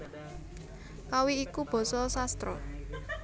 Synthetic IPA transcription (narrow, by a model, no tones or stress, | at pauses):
kawiːkub̥ɔ̤sɔsast̪ɾɔ̰